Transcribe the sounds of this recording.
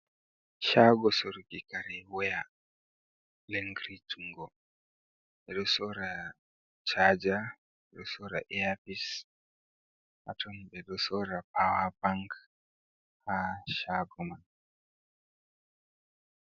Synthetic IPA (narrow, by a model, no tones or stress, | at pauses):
ʃaɡɔsɔɾɡikaɾɛwɔja | leŋɡɾituŋɡɔ | ɛɗɔsɔɾa | t͡ʃad͡ʒa | ɛɗɔsɔɾa̰ʔɛapis | ʔa̰tɔmbɛɗɔsɔɾapawabaŋk | haʃaɡɔman